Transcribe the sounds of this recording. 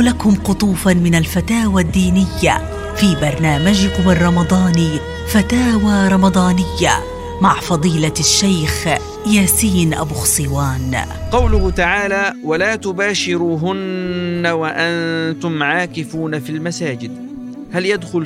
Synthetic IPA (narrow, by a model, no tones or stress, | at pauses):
lakʊmqʊt̪ˤuːfamɪnalfat̪aːwad̪ːiːnɪjːa̰ | fiːbɑɾˤnaːmad͡ʒɪkʊmɑrˤɾˤɑmɑd̪ˤɑːn | fat̪aːwaːɾˤɑmɑd̪ˤɑːnɪjːa̰ | maʕfɑd̪ˤiːlaʃːajx | jaːsiːnʔa̰buːxsˤɨwaːn | qɑwlʊht̪aʕaːlaːwalaːt̪ʊbaːʃɪɾuːɦʊnːawaʔant̪ʊmʕaːkɪfuːnafilmasaːd͡ʒɪd̪ | haljad̪xʊl